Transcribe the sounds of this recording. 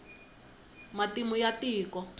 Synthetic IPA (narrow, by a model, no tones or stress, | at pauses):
matimujatiːkɔ